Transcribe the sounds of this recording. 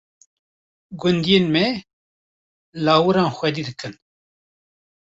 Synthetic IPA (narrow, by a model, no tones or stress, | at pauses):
ɡʊnd̪ijeːnmɛ | lɑːwɨɾɑːnxʷɛd̪iːd̪ɨkʰɨn